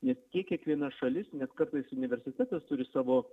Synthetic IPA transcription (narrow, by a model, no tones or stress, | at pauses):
nʲɛskʲiɛkʲiɛkʋʲiɛnɐʃɐlʲɪsnʲɛskɐɾt̪ɐɪsʊnʲɪʋʲɛɾʲsʲɪt̪ʲæːt̪ɐst̪ʊɾʲɪsɑːʋoː